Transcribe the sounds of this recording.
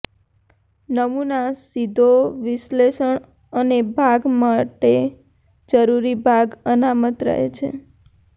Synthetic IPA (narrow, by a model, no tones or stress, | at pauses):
nəmunasid̪ʱoʋɪʃleʃəɳ | ənebʱaɡmaʈe | d͡ʒəɾuɾibʱaɡənamət̪ɾə̰ɦḛt͡ʃʰḛ